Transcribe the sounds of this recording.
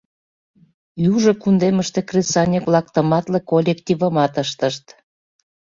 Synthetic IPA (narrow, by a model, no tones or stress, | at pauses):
juʒə̆kund̪eməʃt̪ekresɑnʲekβlɑkt̪ə̆mɑt̪lekolʲekt̪ʲivəmɑt̪əʃt̪əʃt̪